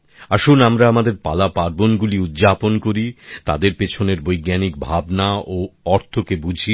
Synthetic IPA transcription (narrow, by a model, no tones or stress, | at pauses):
aʃunamɾaamad̪eɾpa̰lapaɾbonɡuliud̪d͡ʑaponkoɾit̪a̰d̪eɾpet͡ɕʰoneɾbojɡanik̚bʱabnaoɔɾt̪ʰokebud͡ʑʱi